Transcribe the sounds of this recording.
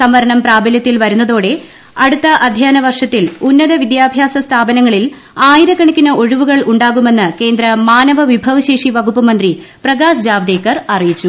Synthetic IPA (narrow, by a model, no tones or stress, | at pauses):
sɐmʋɐɾɐɳɐmpraːbɐljɐt̪ːilʋɐɾunːɐðo̞ːɽe̞ | ɐɽut̪ːɐʔɐd̪ʱjaːnɐʋɐrʂɐt̪ːilunːɐðɐʋid̪jaːbʱjaːsɐst̪ʰaːbɐnɐŋːɐɭil | aːjiɾɐkːɐɳikʲːinɐo̞ɻiʋuɣɐɭʔuɳɖaːɣume̞nːɨke̞ːnd̪ɾɐmaːnɐʋɐʋibʱɐʋɐɕe̞ːʂiʋɐɡupːɐmɐnd̪ri | prɐɣaːsd͡ʑaːʋd̪e̞ːkːɐrɐrijit͡ɕːu